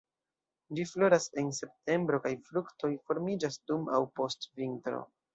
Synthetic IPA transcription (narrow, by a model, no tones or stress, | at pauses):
d͡ʒiflo̞ɾase̞nse̞p̚te̞mbɾo̞kajfɾukto̞jfo̞ɾmid͡ʒasduma̰wpo̞stvintɾo̞̰